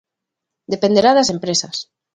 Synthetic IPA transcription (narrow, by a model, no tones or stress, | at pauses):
d̪epend̪eɾaðasempɾesɐs